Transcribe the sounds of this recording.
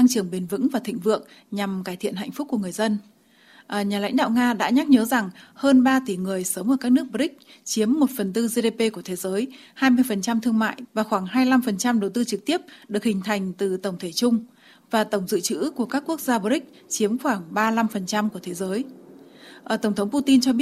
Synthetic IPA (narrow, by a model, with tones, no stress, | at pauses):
t̪a˧ŋt͡ɕɨ˧˩əŋɓe˨˩nvɨ̰˧˥ŋvaː˨˩t̪ʰḭ˧˨ŋ̟vɨ̰˧˨əŋ | ɲa˨˩mkaː˧˩jt̪ʰḭ˧˨ənha̰˧jŋ̟fʊ˦˥k͡p̚kːu˧˩əŋɨ˨˩əjzə˧n | ʔəː˨˩ɲaː˨˩la̰˧˥jŋ̟ɗa̰ː˧˨wŋaː˧ɗa̰ː˧˥ɲa˦˥k̚ɲəː˨˦za˨˩ŋhəː˧nɓaː˧t̪i˧˩ŋɨ˨˩əjsəː˨˦wŋ͡mʔəː˧˩kaː˦˥k̚nɨ˦˥ək̚ɓɔ˧˩ï˦˥k̟̚t͡ɕi˨˦əmːo˨˩t̚fə˨˩nt̪ɨ˧ze˧ɗe˧pe˧ku˧˩ət̪ʰe˨˦zəː˨˦j | haː˧jmɨ˧əjfə˨˩nt͡ɕa˧mt̪ʰɨ˧əŋma̰ː˧˨jvaː˨˩xwaː˧˩ŋhaː˧jla˧mfə˨˩nt͡ɕa˧mɗə˨˩wt̪ɨ˧t͡ɕɨ˨˩k̚t̪i˦˥əp̚ɗɨ˨˩ək̚hï˨˩ŋ̟t̪ʰa˨˩jŋ̟t̪ɨ˨˩t̪ə˧˩wŋ͡mt̪ʰe˧˩t͡ɕʊ˧ŋ͡m | vaː˨˩t̪ə˧˩wŋ͡mzɨ̰˧˨t͡ɕɨ̰˧˥ku˧˩əkaː˦˥kːu˦˥ək̚zaː˧ɓɔ˧˦ɾï˦˥k̟̚ | t͡ɕi˨˦əmxwaː˧˩ŋɓaː˧la˧mfə˨˩nt͡ɕa˧mku˧˩ət̪ʰe˨˦zəː˨˦j | ʔə˨˩t̪ə˧˩wŋ͡mt̪ʰə˨˦ŋ͡mpu˧t̪i˧nt͡ɕɔ˧ɓi˦˥ət̚